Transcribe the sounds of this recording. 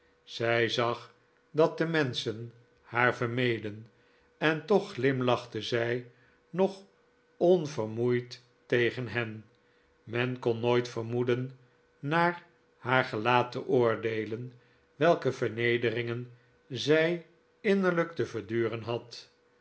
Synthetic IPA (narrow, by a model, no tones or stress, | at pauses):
z̥ɛjzɑχ | dɑt̚dəmɛnsən | haːɹvəɹmejdən | ɛntɔχlɪmlɑχtəzɛj | nɔχ | ɔnvərmujt | tejχənɦɛn | mɛnkɔnːojtfəɹmudənː | aːɹ | haːɹχəlaːtəʔʊːɹdejlən | ʋɛlˠkəvəɹnejdərɪŋən | zɛj | ɪnəɹləktəvəɹdyːʁənɦɑt